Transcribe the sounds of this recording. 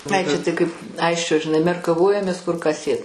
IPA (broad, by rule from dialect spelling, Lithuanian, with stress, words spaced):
ˈɐɪ ˈt͡ʃʲɛ tɐɪ kɐɪp ˈɐɪsʲt͡ʃʲoː ʒʲɪˈnɐɪ mʲɛrkɐˈʋoːjɛmʲeːs kʊr kɑː ˈsʲeːt